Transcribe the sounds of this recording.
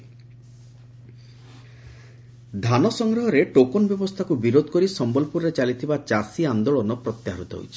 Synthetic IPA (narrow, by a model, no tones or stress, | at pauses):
d̪ʱanɔsɔŋɡɾɔɦɔɾeʈokonɔbjɔbɔst̪ʰakubiɾod̪ʱɔ̥kɔɾisɔmbɔlpuɾɾet͡ʃalit̪ʰibat͡ʃasiand̪oɭɔnɔpɾɔt̪jaɦaɾut̪ɔɦo̰jt͡ʃʰi̥